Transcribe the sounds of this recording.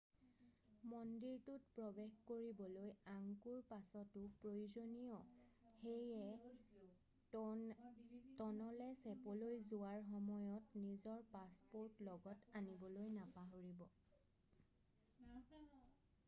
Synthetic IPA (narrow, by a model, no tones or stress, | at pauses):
mɔndiɹtutpɹɔbexkoɹibɔlojaŋkuɹpasɔtʊpɹojuzonijɔxejɛ | tɔnɔlɛsɛpɔlojzuwaɹxɔmɔjɔtnizɔɹpaspoɹtlɔɡɔtanibɔlojnapaɦoɹibɔ